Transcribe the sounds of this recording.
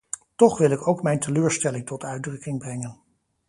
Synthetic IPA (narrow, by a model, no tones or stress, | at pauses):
tɔχʋɪlɪkowkmɛjntʰəløːɹstɛlɪŋtɔtʰœɥdrɵkɪŋbrɛŋən